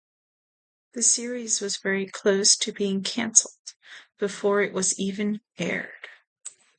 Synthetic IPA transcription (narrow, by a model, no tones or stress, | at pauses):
ðɨsɪɹizwʌzvɛɹikʰl̥oʊstʰɨbiɪ̃ŋkʰæ̃nsl̩ˠd̥b̥ɨfɔɹɨʔwʌzivɨ̃n | ɛ̰ɹd̥